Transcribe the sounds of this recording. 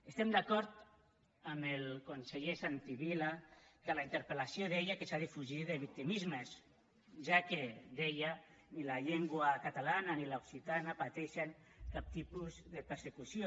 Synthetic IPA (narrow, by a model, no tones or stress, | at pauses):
est̪ɛmd̪akɔɾt̪ | amelkonseʎesant̪iβilakalaint̪eɾpelasjoðeʎakesaðifuʒiðeβik̚t̪imizmes | ʒaked̪ejanilaʎeŋɡwakat̪alananilauksit̪anapat̪ɛʃeŋ | kap̚t̪ipuzðepeɾsekusjo